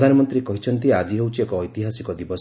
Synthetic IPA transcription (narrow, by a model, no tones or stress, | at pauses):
d̪ʱanɔmɔnt̪ɾikɔɦit͡ʃʰɔnt̪iad͡ʒiɦewt͡ʃʰiekɔːjt̪iɦasikɔd̪ibɔs